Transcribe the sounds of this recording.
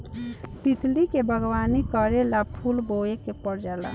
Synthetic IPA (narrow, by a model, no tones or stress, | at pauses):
t̪it̪likebʱəɡwanikəɾelapʰulboekepəɾd͡ʒala̰